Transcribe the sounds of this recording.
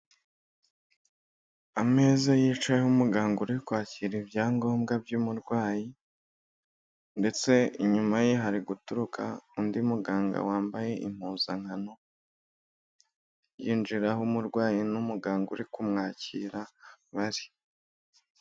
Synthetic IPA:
ame̞ːzajiːt͡ʃajeumuɡaːŋɡuɾikwaːciɾibjaːŋɡo̞ːmɡabjuːmuɾɡwaːji | nde̞t͡se̞iɲumajeɦaɾiɡutuɾukʰa̰undiumuɡaːŋɡa̰waːmbaje̞ʔḭm̥huːzaŋ̥hano̞ | jiːnd͡ʒiɾaɦumuɾɡwaːjinumuɡaːŋɡuɾikumŋaːcḭːɾaβaɾi

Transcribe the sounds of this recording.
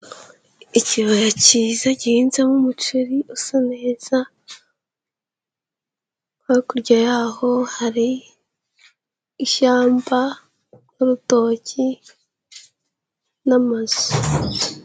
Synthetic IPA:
iciβajacizaɟiiːnzamumut͡ʃuɾiʔusanez̥a | kaikuɾɟajaːhohaɾi | ʃaːmba | nuɾuto̞ːci | namazu̥

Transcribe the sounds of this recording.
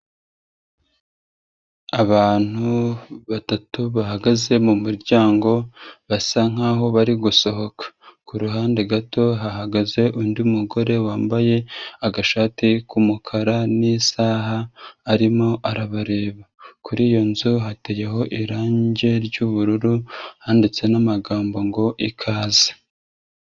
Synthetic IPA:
aβaːn̥huβatatuβahaɡaze̞mumuɾɟaːŋɡo̞βasaŋ̥aːɦo̞βaɾiɡuso̞ɦo̞kḁkuɾuɦaːndeɡato̞ɦaɦaɡaze̞ʔundiumuɡo̞ɾe̞waːmbaje̞aɡaʃaːtikumukʰaɾanisaːɦaːɾimo̞ʔaɾaβaɾe̞ːβakuɾiːjo̞nzuɦate̞jeɦo̞ʔiɾaːɲɟe̞ɾɟuβuɾuɾuhaːndit͡se̞namaɡaːmbo̞ŋɡo̞ʔikʰaːze̥

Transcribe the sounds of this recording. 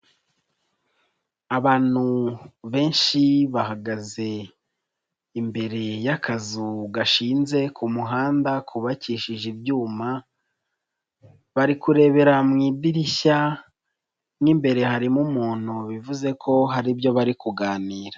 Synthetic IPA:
aβaːn̥huβe̞ːnʃiβahaɡaze̞ | imbe̞ɾe̞jakʰazuɡaʃiːnze̞kʰumuɦaːndakʰuβaciːʃiʒibjuːma | βaɾikuɾe̞ːβe̞ɾamŋiːdiɾia | nŋimbe̞ɾe̞haɾimumuːn̥huβivuze̞kʰo̞ɦaɾibjo̞βaɾikuɡaːniːɾa

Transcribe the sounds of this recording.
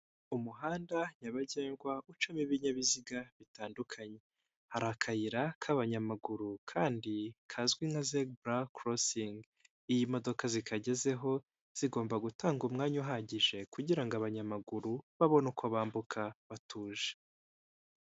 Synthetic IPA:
umuɦaːndaɲaβaɟeːŋɡwaut͡ʃumiβiɲaβiziɡaβitaːndukʰaɲe̞ | haɾakʰajiɾakʰaβaɲamaɡuɾukʰaːndikʰazɡwiŋazeɡbɾakɾosiŋɡ | ijimo̞do̞kazikʰaɟe̞ze̞ɦo̞ | z̥iɡo̞ːmbaɡutaːŋɡumŋaːɲuɦaɟiʒe̞kuɟiɾaŋɡaβaɲamaɡuɾuβaβo̞nukʰoβaːmbukʰaβatʰuːʒe

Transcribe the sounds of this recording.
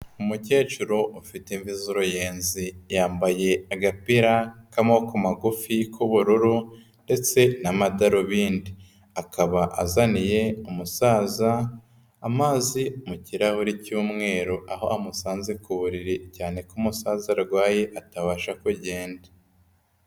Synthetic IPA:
umuce̞ːt͡ʃuɾoʔufiteɱvizuɾojeːnzijaːmbaje̞aɡapiɾakamo̞kumaɡufikʰuβuɾuɾu | nde̞t͡se̞namadaɾoβiːndi | akʰaβaʔazanije̞umusaːzaː | maːzimuciɾahuɾicuːmŋe̞ːɾoʔaɦo̞̰ʔamusaːnzekuβuɾiɾicaːne̞kumusaːzaɾɡwaːjeʔataβaʃakuɟe̞ːndḁ

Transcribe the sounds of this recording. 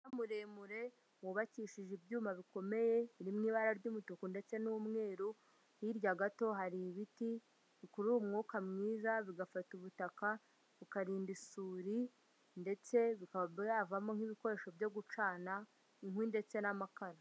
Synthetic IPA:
namuɾemuɾe̞ | muβaciʃiʒibɟuːmaβiko̞me̞je̞βiɾimŋiːβaɾaɾɟumutokunde̞t͡se̞nuːmŋe̞ːɾu | hiɾɟaɡato̞ɦaɾiβiti | βikuɾumŋuːkamŋiːzaβiɡafatuβutaka | βikaɾiːndisuːɾi | nde̞t͡se̞βikaavamoŋ̥iβiko̞ɾe̞ʃo̞vjo̞ɡut͡ʃaːna | iŋwinde̞t͡se̞namakaɾa

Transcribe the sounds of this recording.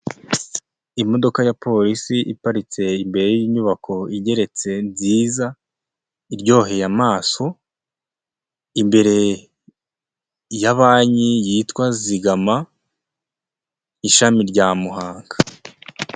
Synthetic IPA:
imo̞do̞kajapo̞ɾisiʔḭpaɾit͡se̞imbe̞ɾejiɲuβako̞iɟe̞ɾe̞t͡se̞nziːza | iɾɟo̞ːɦe̞jamaːso̞ | imbe̞ɾe̞ | jaβaːɲijiːtwaziɡama | iʃamiɾɟamuɦaːŋɡḁ

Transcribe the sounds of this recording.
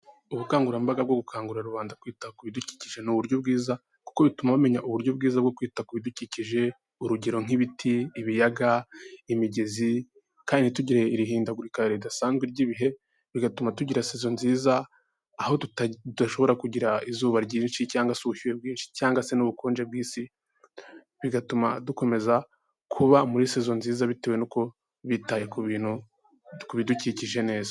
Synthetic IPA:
uβukaːŋɡuɾambaɡabɡo̞ɡukʰaːŋɡuɾaɾuβaːndakwiːtakuβiduci̥ciʒe̞nuβuɾɟo̞bɡiːza | ku̥ko̞βitumaβame̞ɲaʔuβuɾjo̞b̚ɡiːzabɡo̞kwiːtakuβiduciciʒe̞ | uɾuɟeɾo̞ŋ̥iβitʰiːβijaɡaimiɟe̞zi | kaːndituɟiɾeiɾiɦiːndaɡuɾikaɾeβidasaːnzɡweɾɟiβiɦe̞ | βiɡatumatuɟiɾaseːzo̞nziːzaː | ho̞tuttud̥aʃo̞βo̞ɾakuɟiɾaizuːβaɾɟiːnʃicaːŋɡasuhiwe̞bɡiːnʃi̥caːŋɡase̞nuβukoːnd͡ʒe̞bɡiːsi | βiɡatumaduko̞me̞za | kʰuβamuɾiseːzo̞nziːzaβite̞wenuko̞ | βitajekuβiːn̥hu | kuβiduciciʒe̞ne̞ːzḁ

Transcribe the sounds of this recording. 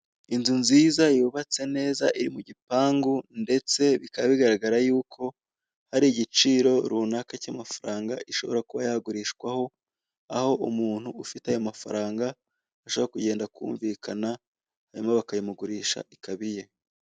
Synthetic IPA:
inzunziːzajuːβat͡se̞ne̞ːza̰ʔiɾimuɟipaːŋɡunde̞t͡se̞βikaβaβiɡaɾaɡaɾajuːkʰo̞ | haɾiɟit͡ʃiːɾo̞ɾunakacamafaɾaːŋɡa̰ʔiʃo̞βo̞ɾakuβajaɡuɾiːʃkwaho̞ | aho̞ʔumuːn̥huːfitajo̞mafaɾaːŋɡa | aʃoβoakuɟe̞ːndakʰṵːɱvikʰana | haɾimaβakajimuɡuɾiːʃa̰ʔikʰaβije̞

